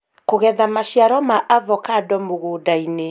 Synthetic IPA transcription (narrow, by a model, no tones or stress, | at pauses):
koɣɛðamaʃiaɾɔmaʔavɔkadɔmoɣoːdaine